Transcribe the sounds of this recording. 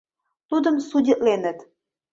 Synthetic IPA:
t̪ud̪əmsudʲət̪lenə̆t̪

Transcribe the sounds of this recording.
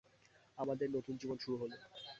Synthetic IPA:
amad̪eɾnot̪und͡ʑibonʃuɾuɦolo

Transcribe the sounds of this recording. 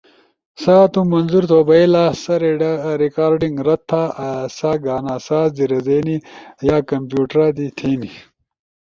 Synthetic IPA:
saːt̪umɐnzuɾt̪oːbɐilaːsɐɾeɖɾikaːɾɖiŋɡɾɐt̪ʰːaːɐsaːɡaːnaːsaːzd̪iɾɐzeːnijaːkɐmpjuːʈɾaːd̪it̪ʰeːni

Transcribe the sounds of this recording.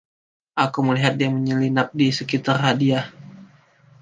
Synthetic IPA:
ʔakuməliɦat̪̚diaŋməɲəlinap̚disəkit̪arɦadia

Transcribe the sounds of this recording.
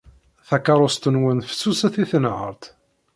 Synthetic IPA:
θækːɑɾˤʊst̪ənwənfə̥sːusæθiθənʕə̰ɾˤt̪

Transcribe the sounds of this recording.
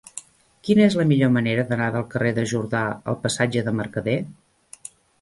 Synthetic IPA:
kinəezləmiʎoməneɾəðənaðəlˠkəreðəʒuɾðaə̰lˠpəsad͡ʒəðəməɾkəðe

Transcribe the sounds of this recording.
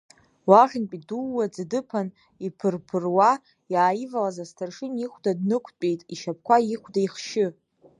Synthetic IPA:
waχʲᶣɪnpʼiduːad͡zdɨpʰan | ipʰɨrpʰɨrwa | jaːjivalazastʰarʂɨniχʷdadnɨkʷʰt͡pʼejtʼiʃap̚ʰkʷʰaiχʷdaiχʃɪ

